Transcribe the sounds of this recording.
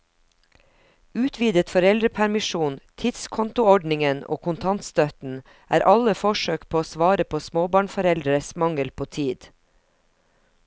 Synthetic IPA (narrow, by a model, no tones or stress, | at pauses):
ʉːt̪ʰʋiːd̪ət̪fɔɾɛld̪ɾəpʰæɾmɪʃuːnt̪ʰɪd̪skʰɔnt̪ʊɔɖnɪŋəno̰ːkʰʊnt̪ʰɑnt̪st̪œt̪n̩ | ʔæ̰ːɾʔɑləfɔʃøːkpʰoːoːsʋɑːɾəpʰoːsmoːbɑːɳfɔɾɛld̪ɾəsmɑŋəlpʰoːt̪ʰiːd̪